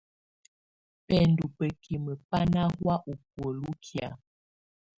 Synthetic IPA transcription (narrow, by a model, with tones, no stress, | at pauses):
pɛ˦˨ndu˨pə˨ki˨mə˨pa˦na˦hwa˦ʔu˨p̚wə˨lu˦kʰja̰˨